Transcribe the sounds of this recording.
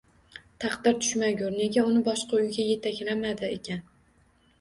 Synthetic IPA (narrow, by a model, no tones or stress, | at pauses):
t̪ʰɑqd̪ɪɾt̪ʰʊ̥ʃmaɡʲʊɾne̞ɡʲaʊnɪbɒʃqɑʊjɡʲaje̞t̪ʰakʲlamad̪ɪḛkʲʰan